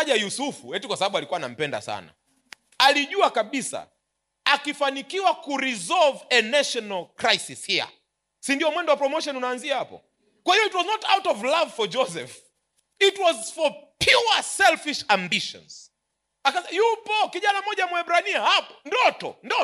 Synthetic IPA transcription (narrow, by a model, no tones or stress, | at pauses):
ʄajusufuɛtukwasaɓaɓualikuwana̰m̩pɛnda̰sa̰na̰ | aliʄuakaɓisa̰ | akifanikiwakuɾizɔlvɛnaʃɔnalkɾajsishia̰ | sindiɔmwɛndɔwapɾɔmɔʃɔnunaːnziahapɔ̰ | kwahijɔitwɔznɔtawtɔvlavfɔd͡ʒɔsɛf | itwɔzfɔpjuasɛlfiʃambiʃɔ̰̃nz̥ | akasɛjupɔkiʄanamɔʄamwaɛbɾaniahapɔ̥ndɔtɔ̰ndɔ